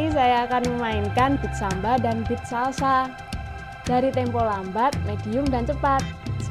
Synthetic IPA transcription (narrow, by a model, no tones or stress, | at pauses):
isajaːkanməmaɪnkanb̥i̤t̪̚sambadanbɪt̪̚sasa | d̥aɾit̪ɛmpɔlambat̪̚med̥i̤ʊŋdant͡ʃəpat̪̚